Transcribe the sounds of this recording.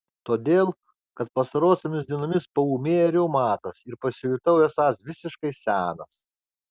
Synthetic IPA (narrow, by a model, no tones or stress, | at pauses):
t̪oːd̪ʲeːlˠ | kɐt̪̚pɐst̪ɐɾoːsʲoːmʲɪsd̪ʲiɛnoːmʲɪspɐuːmʲeːjɛɾʲɛʊmɑːt̪ɐsɪɾpɐsʲɪjʊt̪ɐʊjʲɛsɑːsʋʲɪsʲɪʃkɐɪsʲæːnɐs